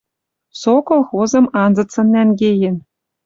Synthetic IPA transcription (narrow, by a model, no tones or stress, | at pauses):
sokolˠxozɤ̆mɑnzɤ̆t͡sɤ̆nːʲænɡʲejɘ̆n